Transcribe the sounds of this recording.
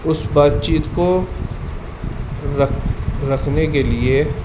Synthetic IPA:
ʊsbaːt̪t͡ʃiːt̪ko | ɾɐkʰnek̬elie

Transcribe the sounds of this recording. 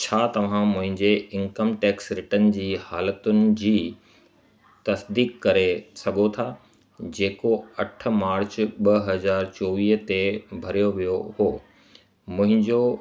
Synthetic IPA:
t͡ɕʰaːt̪ɐʋ̤ãmʊ̃ɦɪ̃ɲd͡ʑeɪ̃ŋkəmʈɛːksɾɪʈən̆d͡ʑiːhaːlət̪ʊnɪ̆d͡ʑiː | t̪ɐsd̪iːkkːɐɾesɐɡʱot̪ʰaː | d͡ʑeːkoɐʈ̆ʰmaːɾt͡ɕɓɐɦɐzaːɾt͡ɕoːʋiːɦt̪ebʱɐɾijoʋijohoː | mʊ̃ɦɪ̃ɲd͡ʑo

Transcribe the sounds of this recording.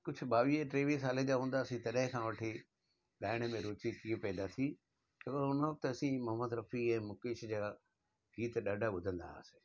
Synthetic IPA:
kʊd͡ʑʱʊ̆ɓaːʋieʈɾeːʋis̬aːled͡ʑaːɦũːnd̪aːsĩt̪ɐɗɦɪ̃kʰãːʋɐʈʰi | ɗaːɪɽ̃əmẽɾoːt͡ɕikipɛ̃ːd̪at̪ʰi | tɐkoʊnəʋɐk̚t̪ɐsĩmɐɦəməd̪ɾɐfiɛ̃ːmʊkeːʃd͡ʑaː | ɡiːt̪ɗaɖʱaɓʊd̪ʱə̃nd̪a̰se̥

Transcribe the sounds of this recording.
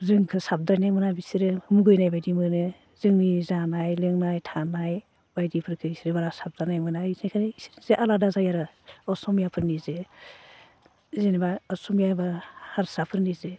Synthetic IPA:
zɯŋkʰɯsap̚dɾajnajmɯnabisiɾɯmuɡɯjnajbajdimɯnɯ | zɯŋnizanajlɯŋnajtʰanaj | bajdipʰɯɾkʰɯisiɾɯbaɾasap̚danajmɯnaisnajkʰaniisiɾnizeʔaladazajaɾɯ | ɔsɔmjapʰɯɾnizɯ | zenibaɔsɔmjabahaɾsapʰɯɾnizɯ

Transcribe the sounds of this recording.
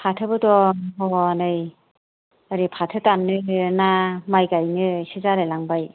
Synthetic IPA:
pʰatʰɯbɯdɔɦɔwnɯj | aɾipʰatʰɯtanːɯnamajɡajnɯsizaɾelaŋbaj

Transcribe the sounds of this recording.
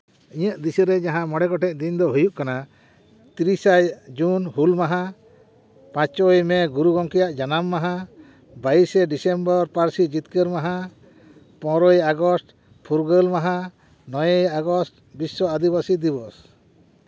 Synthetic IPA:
iɲəʔ̚d̪isiɾɛd͡ʒaɦãmɔɽɛkɔʈɛt̪d̪ind̪ɔɦujuʔkana | t̪iɾisajd͡ʒunhulmaɦã | pãt͡ʃɔjmɛɡuɾuɡɔŋkɛjaʔd͡ʒanamːaɦã | baisɛɖisɛmbɔɾpaɾsid͡ʒit̪kəɾmaɦã | pɔ̃ɾɔjaɡɔsʈ | pʰuɾɡəlmaɦã | nɔjejaɡɔsʈ | bisːɔad̪ibasid̪iβɔs

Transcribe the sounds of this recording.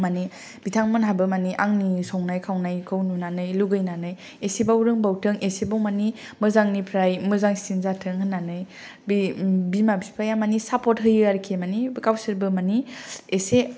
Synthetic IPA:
mani | b̥itʰaŋmɯnɦabɯmaniʔaŋnisɔŋnajkʰawnajkʰɯwnunanɯjluɡɯjnanɯj | esebawɾɯŋbawtʰɯŋʔesebɔŋmani | mɯzaŋnipʰɾajmɯzaŋsinzatʰɯŋɦɯnːanɯj | bibimabipʰajamanisapɔt̚ɦɯjɯaɾkʰemanibkawsɯɾbɯmaniese

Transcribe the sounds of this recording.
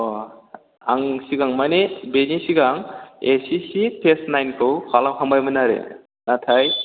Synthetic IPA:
aŋsiɡaŋmanebenisiɡaŋesisipʰesnajnkʰɯwkʰalamkʰambajmɯnaɾḛ | natʰaj

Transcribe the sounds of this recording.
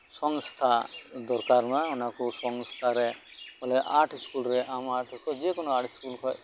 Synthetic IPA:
sɔŋst̪ʰad̪ɔɾkaɾmaɔnakɔsɔŋst̪ʰaɾɛ | ɔlɛʔaʈʰskulɾɛʔamaʈʰɔkɔd͡ʒekɔnɔaʈskulkʰɔj

